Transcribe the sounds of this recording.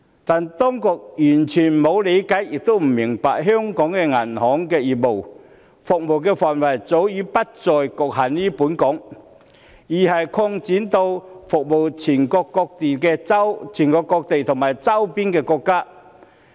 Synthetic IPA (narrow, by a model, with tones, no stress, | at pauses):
t̪aː˨nt̪ɔ˥ŋkɔ˧k̚jyː˨˩nt͡ʃʰyː˨˩nmo˨˧wle˨˧jka˨˥jjɪ˨k̚t̪o˥wm̩˨˩mɪ˨˩ŋpa̰ː˨k̚ɦœː˥ŋkɔː˨˥ŋkɛ˧ŋɐ˨˩nhɔː˨˥ŋkɛː˧jiː˨˩t̚mo˨˩w | fʊ˨k̚mo˨˩wk̬ɛː˧faː˨nwɐ˨˩jt͡so˨˥wjiː˨˥pɐ˥t̚t͡sɔː˨jkɔ˨k̚ha˨˩nliː˥puː˨˥nkɔː˨˥ŋ | jiː˨˩hɐ˨jkʰɔ˧ŋt͡siː˨˥nt̪o˧wfʊ˨k̚mo˨wt͡sʰiː˨˩nkɔ˧kːɔː˧k̚t̪i˨˩kɛː˧˥wt͡sʰiː˨˩nkɔː˧kːɔː˧k̚t̪e˨jt̪ʰʊ˨˩ŋmaː˨jt͡sɐ˥wpi˥nkɛː˧kɔ˧kːaː˥